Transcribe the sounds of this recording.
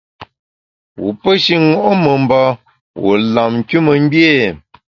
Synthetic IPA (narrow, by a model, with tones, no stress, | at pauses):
wṵ˨pə˦ʃi˦ŋɔ˦˨ʔmə˨m˨ba˦ | wo̰˨la˨m̩˨ku˦mə˨m̩˦bje˦˨